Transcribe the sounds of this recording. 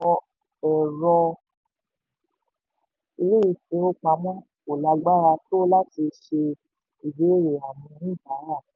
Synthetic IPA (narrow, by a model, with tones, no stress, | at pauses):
ɔ˧ | ɛ˨ɾɔ˧ | i˧le˦i˧fe˧˦o˦k͡pa˧˦mɔ̃˦ | o˨la˧ɡ͡ba˦ɾa˧to˦la˦ti˧ʃe˧ | i˨be˨˦ɾe˨a˨mĩ˧ɾĩ˦˨ba˨˦ɾa˦˨